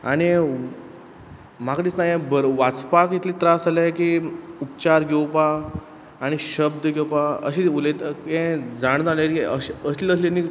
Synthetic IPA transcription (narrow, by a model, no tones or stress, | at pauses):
aɽ̃i | makɾiːt͡snaɦjẽbəɾʋat͡spakit̪liːt̪ɾasalakiupt͡ɕaɾɡʱewpaː | ɽ̃iɕəbd̪əɡewpaə̰ɕiulet̪ẽd͡zaɽ̃d̪alekiəəsləslenːi